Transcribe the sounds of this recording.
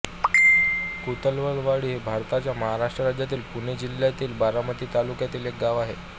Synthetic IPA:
kut̪əlʋəɭʋaɭiːɦebʱaɾt̪at͡ɕjaməɦaɾaʂʈɾəɾad͡ʑjat̪̬iːlpuɳed͡ʑil̤jat̪iːlbaɾamət̪iːt̪alukjat̪iːlek̚ɡaʋaɦe

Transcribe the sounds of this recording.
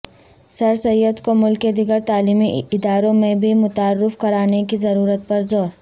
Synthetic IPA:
sɐɾsɐjːəd̪komʊlked̪ɪɡəɾt̪aːliːmiɪd̪aːɾõmẽbʱimʊt̪aːrːɪfkɐɾaːnekizɐɾuːɾət̪̚pɐɾzɔːɾ

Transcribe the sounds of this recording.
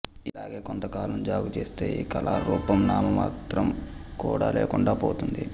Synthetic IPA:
ilaːɡe̞ːkont̪ɐkaːlɐmd͡ʒaːɡut͡ʃeːst̪ḛːkɐlaːɾuːpɐmnaːmɐmaːt̪ɾɐmkuːɽa̰ːleːkuɳɖaːpoːt̪und̪i

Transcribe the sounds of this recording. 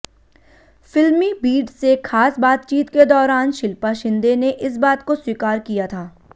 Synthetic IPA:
fɪlmibiːɖsekʰaːsbaːt̪̚t͡ʃiːt̪ked̪ɔːɾaːnʃɪlpaʃɪ̃nd̪eneʔɪs̬baːt̪koswikaːɾkijat̪ʰaː

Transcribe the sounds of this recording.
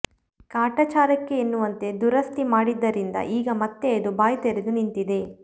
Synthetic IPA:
kaːʈɐt͡ʃaːɾɐkːe̞ːnːuʋɐnt̪e̞d̪uɾɐst̪imaːɽid̪ːɐɾind̪ɐ̰ʔiːɡɐmɐt̪ːeːd̪ubaːjt̪eɾed̪unint̪id̪e̞

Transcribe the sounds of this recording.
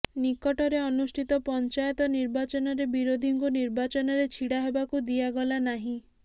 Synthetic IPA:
nikɔʈɔɾeɔnusʈʰit̪ɔpɔnt͡ʃajɔt̪ɔniɾbat͡ʃɔnɔɾebiɾod̪ʱiŋkuniɾbat͡ʃɔnɔɾet͡ʃʰiɽaɦebakud̪iaɡɔlanaɦĩ

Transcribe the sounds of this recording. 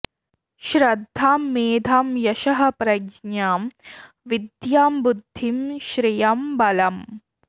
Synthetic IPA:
ʃɾɐd̪ʱːaːmːeːd̪ʱaːmjɐʃɐɦɐpɾɐɡɲaːm | ʋid̪jaːmbud̪ʱːimʃɾijɐmbɐlɐm

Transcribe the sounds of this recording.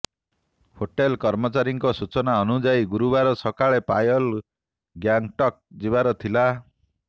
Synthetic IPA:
hoʈelkɔɾmɔt͡ʃaɾiŋkɔsut͡ʃɔnaɔnud͡ʒajɡuɾubaɾɔsɔkaɭepajɔl | ɡjaŋʈɔk̚d͡ʒibaɾɔt̪ʰila

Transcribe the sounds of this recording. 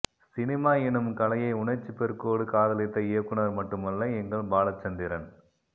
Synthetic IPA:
sɪnɪmaːɪnɯmkɐlɐjɐɪʊɳɐɪɾt͡ʃːɯpɛɾɯkoːɽɯkaːðɐlɪt̪ːɐɪjɐkːɯɳɐɾmɐʈːɯmɐlːɐɛŋɡɐɭbaːlɐt͡ʃːɐnd̪ɪɾɐn

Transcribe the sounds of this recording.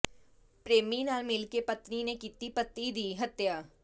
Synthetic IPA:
pɾeːmiːnaːlmɪlkeːpət̪niːneːkiːt̪iːpət̪ːiːd̪iːɦət̪jaː

